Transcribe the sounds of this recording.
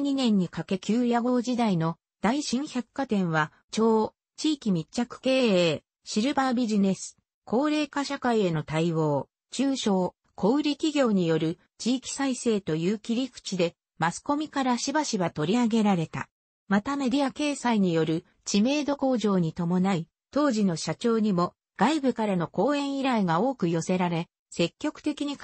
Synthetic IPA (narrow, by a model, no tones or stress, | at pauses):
ɲinẽ̞ɲ̟ːikake̞kʲɨːɾʲjaɡo̞ːd͡ʑid̪aino̞ | d̪̥aiɕĩɰ̃çʲakːat̪ẽ̞ɰ̃βa | t͡ɕo̞ː | t͡ɕiːkʲimʲit͡ɕt͡ɕːakɯ̟̥ke̞ːeː | ɕiɾɯ̟babʲiʑine̞sɨ̥ | kʰo̞ːɾe̞ːkaɕakaie̞no̞t̪aiβo̞ː | t͡ɕɨːɕo̞ː | kʰo̞ɯ̟ɾʲikʲiɡʲo̞ːɲ̟ijo̞ɾɯ̟ | t͡ɕiːkʲi̥saise̞ːt̪o̞jɯːkʲiɾʲikɯ̟̥t͡ɕid̪e̞ | masɨ̥ko̞mʲikaɾaɕibaɕiβat̪o̞ɾʲiaɡe̞ɾaɾe̞t̪a̰ | mat̪ame̞dʲiake̞ːsaiɲ̟ijo̞ɾɯ̟ | t͡ɕime̞ːd̪o̞ko̞ːʑo̞ːɲ̟it̪o̞mo̞nai | t̪o̞ːʑino̞ɕat͡ɕo̞ːɲ̟imo̞ | ɡ̥aibɯ̟kaɾano̞ko̞ːẽ̞ɰ̃iɾaiɡao̞ːkɯ̟jo̞se̞ɾaɾe̞ | se̞kʲːo̞kɯ̟̥t̪e̞kʲiɲ̟i